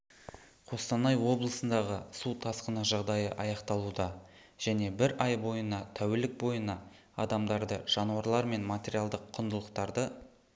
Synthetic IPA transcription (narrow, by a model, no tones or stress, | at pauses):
qʰo̞st̪ɑnɑjwo̞blˠəsənd̪ɑʁəsut̪ʰɑsqənɑʒɑʁd̪ɑjəʔɑjɑqt̪ɑlˠud̪ɑ | ʒ̥æne̞bɪɾɑjbo̞jənɑt̪ʰæwelɪk̚bo̞jənɑ | ɑ̰d̪ɑmd̪ɑɾd̪əʒ̥ɑnuɑɾlˠɑɾme̞nmat̪ʲe̞ɾijalˠd̪əqʰːʊnd̪əlˠəqt̪ɑɾd̪ə